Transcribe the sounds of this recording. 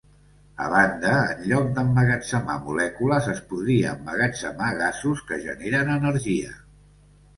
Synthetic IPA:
ə̰βand̪ə̰ːnʎɔk̚d̪əmːəɣət͡səma̰mulɛkuləzəspuðɾiəːmːəɣət͡səmaɣasuskəʒə̰neɾənənəɾʒiə̰

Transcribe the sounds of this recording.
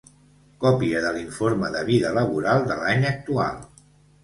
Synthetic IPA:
kɔpiəðəliɱfoɾməðəβiðələβ̞uɾalˠd̪əlaɲək̚t̪ua̰lˠ

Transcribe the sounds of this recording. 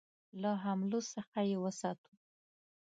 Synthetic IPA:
laɦamlosəxajewəsɑt̪u

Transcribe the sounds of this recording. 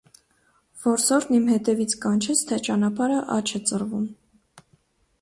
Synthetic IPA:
vɔɾsɔɾnimhɛt̪ɛvit͡sʰkɑnt͡ʃʰɛt͡sʰt̪ʰɛt͡ʃɑnɑpɑɾəʔɑ̰t͡ʃʰɛt͡sərvum

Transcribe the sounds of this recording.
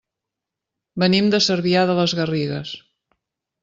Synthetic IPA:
bənimd̪əsəɾβiaðələzɣəriɣəs

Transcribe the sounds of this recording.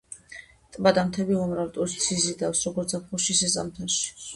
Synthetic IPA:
t̪ʼbad̪amt̪ʰɛbiɔmɾavt̪ʼɔʃt̪sizid̪afsɾɔɡɔɾt̪sapʰχɔʃisɛsʼa̰mt̪ʰaʃi̥

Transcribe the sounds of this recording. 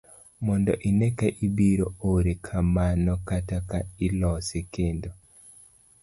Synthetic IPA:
mɔndɔʔinekaʔibiɾooɾekʰamanɔkatakailɔsekendo

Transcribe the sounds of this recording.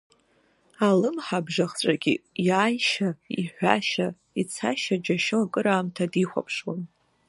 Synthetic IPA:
alɨmħabʐaχt͡ʃʷʼaɡʲḭjaːjʃaiħᶣʷa̰ʃa | it͡sʰaʃad͡ʒaʃoakʼɨɾaːmtʰadiχʷa̰pʰʂwan

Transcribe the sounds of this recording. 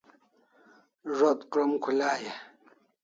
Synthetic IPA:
ʐot̪kɾomkʰulaːje

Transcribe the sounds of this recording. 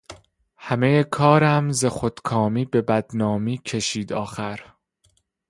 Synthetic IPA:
hæmejekʰɒːɾæmzexod̪̥kʰɒːmiːbe̞bæd̪nɒːmiːcʰe̞ʃiːd̪ɒːxæɾ

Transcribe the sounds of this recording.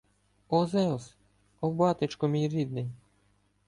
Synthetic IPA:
ɔzɛlˠs | ɔwbɑt̪ɪt͡ʃkɔmʲijɾʲid̪̚nɪj

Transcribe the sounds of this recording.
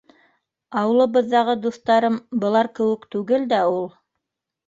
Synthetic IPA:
ɑw̆lˠɤ̆βɤ̆ðːɑʁɤd̪uθt̪ɑɾɤmbɤ̆lˠɑɾkɘ̆wɘ̆kt̪ʉɡɘld̪æulˠ

